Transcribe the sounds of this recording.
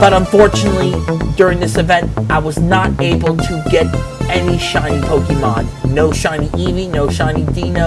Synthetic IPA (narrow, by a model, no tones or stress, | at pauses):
b̥ʌɾə̃ɱfɔɹt͡ʃɨnətˡlidʊɹɪ̃ŋðɪsɨvɛ̃ntaɪwʌznəɾeɪbl̩ˠtʰɨɡɛɾɛniʃãɪ̃nipʰoʊkimɑdnoʊʃãɪ̃niʔivinoʊʃãɪ̃nidĩnə